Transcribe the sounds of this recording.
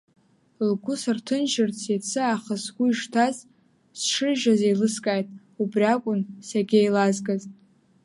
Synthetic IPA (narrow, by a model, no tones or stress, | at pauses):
lɡʷʊsartʰɨnʒɪrt͡sʰjet͡sʰɨaχasɡʷʊiʂtʰaz | sʂɨʒazejlɨskʼajtʼ | ubrʲakʷʼʊnsaɡʲejlazɡaz